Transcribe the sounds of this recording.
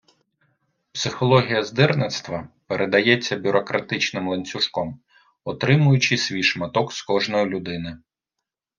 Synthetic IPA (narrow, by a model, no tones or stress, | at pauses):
psɪxɔlˠɔɦʲijɐzd̪ɪrnɪt̪st̪ʋɐpeɾʔed̪ɐjɛt͡sʲːɐbʲʊɾɔkɾɐt̪ɪt͡ʃnɪmlˠenʲt͡sʲʊʃkɔm | ɔt̪ɾɪmʊjʊt͡ʃɪsʲʋʲijʃmɐt̪ɔkskɔʒnɔjilʲʊd̪ɪnɪ